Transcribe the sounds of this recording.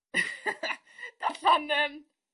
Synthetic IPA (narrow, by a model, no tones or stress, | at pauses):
d̥afɔnɛm